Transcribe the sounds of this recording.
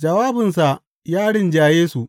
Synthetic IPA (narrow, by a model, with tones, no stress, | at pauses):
d͡ʒɐ˨waː˦bɪ˨nsa˨ | jaː˦ɽɪ˦˨nd͡ʒaː˨jeː˦su˨ʔ